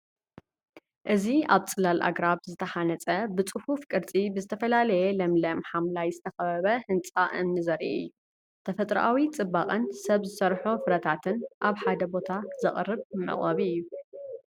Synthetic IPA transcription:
ʔɨziaβt͡sʼɨlalʔa̰ɡɾaβzɨt̪ʰɐħanɐt͡sʼɐbɨt͡sʼɨhufkʼɨɾt͡sʼibɨzɨt̪ʰɐfɐlalɐjɛlɐmlɐmħamlajzɨt̪ʰɐxɐβɐβɐhɨnt͡sʼaʔɨ̰mnɨzɐɾḭʔɨ̰jːu | t̪ʰɐfɐt̪ʼɾɐʔawit͡sʼɨbaχʼɨnsɐβzɨsɐɾħofɨɾɐt̪ʰat̪ʰɨnʔaβħad̪ɐbo̞t̪ʰazɐχʼrːɨβmɨ̰χʼɐβiɨjːu

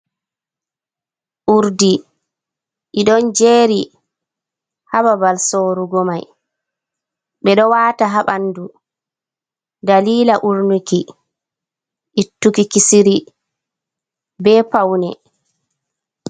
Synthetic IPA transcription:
ʔuɾdi | ʔiɗɔnd͡ʒeːɾi | hababalsoːɾuɡɔmaj | ɓɛɗɔwaːtaɦaɓandu | daliːlaʔuɾnuki | ʔitːukikisiɾi | bɛːpawnɛ̰

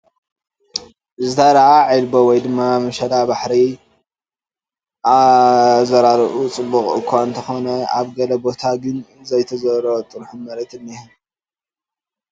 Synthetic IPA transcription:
ʔɨzɨt̪ʰad̪ɐʕaʕilbowɔjd̪ɨmːamɐʃɐlabaħɾi | ʔazɐɾaɾʔut͡sʼɨbːuχʼɨ̰kʰʷːant̪ʰɐxo̞nɐaβɡɐlɐbo̞t̪ʰaɡɨnzɐjt̪ʰɐzɐɾɐβot̪ʼɨɾħumɐɾɐt̪ɨnːihun

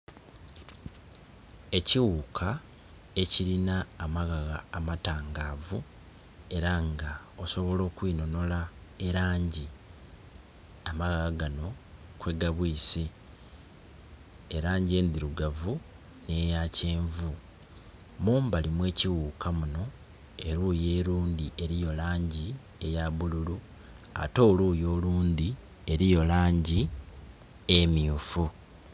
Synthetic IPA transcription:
e̞ciwuːkʰa | e̞ciɾinaːmaɣaɣaːmataːŋɡaːvu | e̞ɾaŋɡa | o̞so̞βo̞lo̞ːkwino̞no̞laeɾaːɲɟi | amaɣaɣaɡano̞kwe̞ɡaβwiːsi | ɾaːɲɟie̞ːnd̪iɾuɡavu | ne̞jaceːɱvu | muːmbalimwe̞ːciwuːkʰamuno̞ | e̞ɾuːje̞ːɾuːnd̪iʔe̞ɾijo̞laːɲɟi | ejaβululu | a̰to̞ːluːjo̞ːluːnd̪i | e̞ɾijo̞laːɲɟi | emjufu

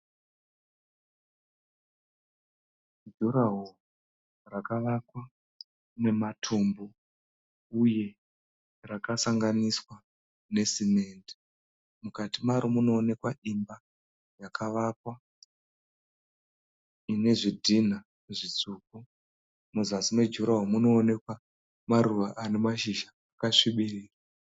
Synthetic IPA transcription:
duɾaɦo | rakaʋakwa | ne̞matʰumbo | uje̞ | rakasaŋɡaniswa | ne̞sime̞ːndi̥ | mukatimaɾomuno̞ːne̞kwaimba | jakʰaʋakwa | ine̞ʐidʱina | uʐit͡suːku | muzasimwe̞d͡ʒuɾaɦwamuno̞ːne̞kwa | maɾuʋaʔanemaʃiʒaːkaʂiɓiriːra

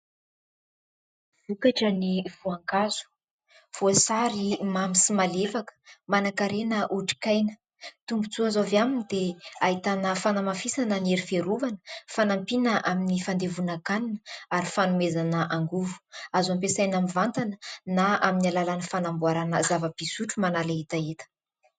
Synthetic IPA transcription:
v̥ukaʈ͡ʂəniv̥uaŋkaz̥u̥ | v̥osaɾimamisimalefakə̥manakaɾenəʔuʈ͡ʂi̥kajnə̥ | t̪umbut͡suazavaminid̪eaɦit̪anəfanamafisanəneɾifeɾuvanə̥fanampinəʔaminifand̪evunakaninəaɾifanumezanəʔaŋɡuvu̥azampesajnamivant̪anənaaminalalanəfanambuaɾanəzavapisuʈ͡ʂumanalaɦit̪aet̪ə̥

